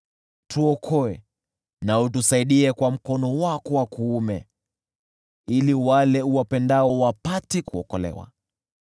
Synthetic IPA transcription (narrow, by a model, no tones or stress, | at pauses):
tʰuɔkʰɔɛ | naut̬usaiɗiɛkwam̩kɔnɔwakɔwakuːmɛ | iliwalɛuwapɛndaɔwapatikuɔkɔlɛ̰wa̰